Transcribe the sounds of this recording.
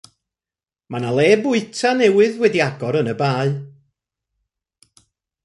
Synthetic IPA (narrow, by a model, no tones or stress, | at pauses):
manalˠɛːbʊɨtʰanɛwɨðwɛdiaɡɔɾənəbaːɨ